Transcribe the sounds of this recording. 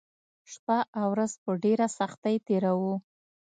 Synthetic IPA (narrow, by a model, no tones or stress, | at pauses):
ʂpaawɾazpəɖeɾasaxt̪ajt̪eɾawu